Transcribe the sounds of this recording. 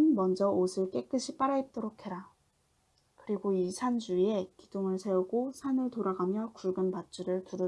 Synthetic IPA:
nmʌnd͡ʑʌosʰɯɭk͈e̞k͈ɯɕʰip͈aɾaip̚t͈oɾokʰe̞ɾa | kɯɾiɡoisʰand͡ʑuie̞kid̥oŋɯɭsʰe̞uɡosʰanɯɭtoɾaɡamjʌkuɭɡɯnpat͡ɕ͈uɾɯɭtuɾɯ

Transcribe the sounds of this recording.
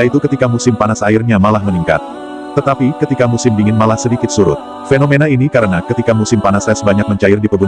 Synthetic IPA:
jait̪ukət̪ikamusɪmpanasaɪrɲamalahməniŋka̰t̪̚ː | ət̪apikət̪ikamusɪmbiŋɪnmalahsədikɪt̪̚suɾʊ̰t̪̚ | fenomenainikaɾənakət̪ikamusɪmpanasɛsbaɲak̚məɲt͡ʃaɪrdipəbun

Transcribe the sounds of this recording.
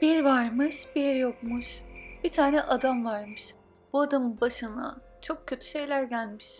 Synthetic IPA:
b̥iɾvaɾmɯʃbiɾjo̞kmuʃb̥it̪ʰaːnɛʔad̪amvaɾmɯʃ | b̥uad̪amɯbaʃɯna̰ | t͡ʃʰo̞kcʰːø̞t̪ʰy̥ʃe̞jlʲæɾɟælʲmiʃ

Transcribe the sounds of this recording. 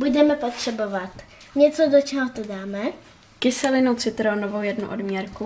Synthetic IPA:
budɛmɛpo̞t̪r̝̥ɛbovat̪ɲɛt͡so̞dot͡ʃɛɦot̪odaːmɛ | kɪsɛlɪnowt͡sɪt̪ɾoːnovowjɛdnṵʔodmjɛɾku

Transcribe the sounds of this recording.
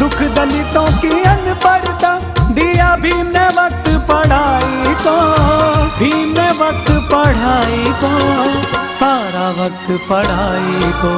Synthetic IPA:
d̪ʊkʰd̪əlit̪õːt̪iənpɐɽt̪aː | d̪ijaːbʱimɛ̃ːʋək̚t̪pɐɽ̤aːit̪õ | bʱiːmɛ̃ːʋək̚t̪pɐɽ̤aːik̪õː | saːɾaːʋɐk̚t̪pəɽ̤aːik̪oː

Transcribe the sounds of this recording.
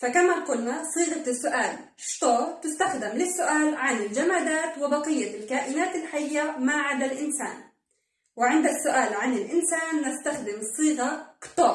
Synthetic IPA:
fakamaqʊlnasˤiːɣasːʊʔaːl | ʃt̪ˤɑːt̪ʊst̪axd̪ɪmlɪsːʊʔaːlʕanɪld͡ʒamaːd̪aːt̪wɪbɑqɨjːalkaːʔɪnaːt̪ɪlħaɪjːamaʕad̪alʔɪnsa̰ːn | wɪʕɪnd̪asːʊʔaːlʕanɪlʔɪnsaːnːast̪axd̪ɪmsˤːiːɣakt̪ˤɑː

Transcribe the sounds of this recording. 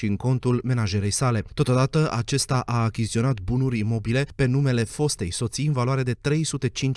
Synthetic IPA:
ʃiɨŋko̞nt̪ulme̞naʒe̞ɾe̞jsale̞t̪o̞t̪o̞d̪at̪əʔat͡ʃe̞st̪aʔaːkʲist̪io̞nat̪bunuɾʲimo̞bile̞pe̞nume̞le̞fo̞st̪e̞jso̞t̪siɨnvaloaɾe̞d̪e̞t̪ɾe̞jsut̪e̞t͡ʃint͡ʃ

